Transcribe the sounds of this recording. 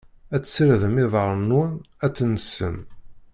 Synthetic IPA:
æt͡sːsːɾðəmɪðˤəɾˤənːunæt͡sːnəsːəm

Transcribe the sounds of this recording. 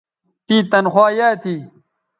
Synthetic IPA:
t̪iːt̪ɐnxwaːjaːt̪ʰiː

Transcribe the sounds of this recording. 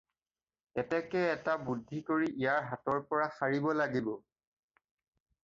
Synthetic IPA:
ɛtɛkɛːtabudʱːikoɹiʔijaɹɦatɔɹpɔɹasaɹibɔlaɡibɔ

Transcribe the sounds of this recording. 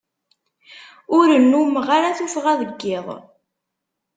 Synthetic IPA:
ʊɾənːumʁaɾaθufʁaðəɡːɪðˤ

